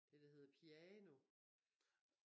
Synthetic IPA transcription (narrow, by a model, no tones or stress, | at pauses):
d̥ed̥eɦe̝ð̞̰ˠɐpʰiɛːno̝